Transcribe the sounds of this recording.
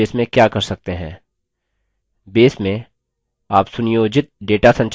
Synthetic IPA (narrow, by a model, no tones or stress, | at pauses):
eːsmẽkjaːkɐɾsɐk̚t̪eɦɛ̰̃ː | beːsmẽ | aːpsʊnijoːd͡ʒɪt̪̚ɖeːʈasɐ̃ɲt͡ʃ